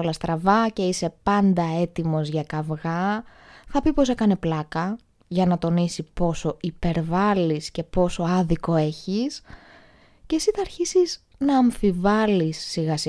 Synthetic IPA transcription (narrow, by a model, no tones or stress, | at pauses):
olɐst̪ɾɐvɐce̞ise̞pɐnd̪ɐe̞t̪imo̞zʝɐkɐvɣɐθɐpipo̞se̞kɐne̞plɐkɐ | ʝɐnɐt̪o̞nisipo̞so̞ipe̞ɾvɐlisce̞po̞so̞ɐðiko̞e̞çis | cesit̪ɐɐɾçisiz | nɐːɱfivɐlisːiɣɐsi